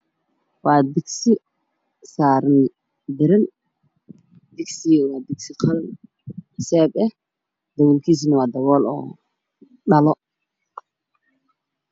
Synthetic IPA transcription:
waːd̪ɪɡsɪ | saːɾn | d̪ɪɾɪn | d̪ɪɡsiwaːd̪ɪɡsɪqʰɐɾn | sɛːbɛh | d̪ɐwulkʰiːs̬inɐwaːd̪ɐwɔːlɔ̰ː | ɗɐlɔ

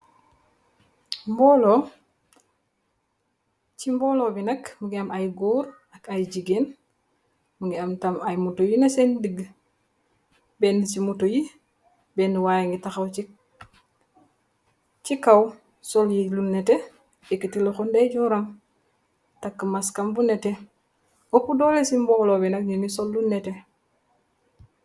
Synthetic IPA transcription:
mbɔlo | t͡ʃimbɔːlɔːbinɐkmuŋɡiɐmʔajɡuːɾ | ɐkajɟiɡen | muŋɡiamtamajmutojinɐsendəɡ | bɛndisimutoji | beniwajaŋɡitaxawt͡ʃi | t͡ʃikaw | soljilunːete | ikːitiloxundeɟuɾam | takːəmaskambunete | opːudolesimbɔlobinakɲinisolːunːete

